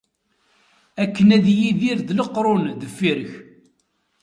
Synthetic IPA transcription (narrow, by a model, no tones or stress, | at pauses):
ækːənæðjiðiɾðləqɾˤʊnðəfːiɾəç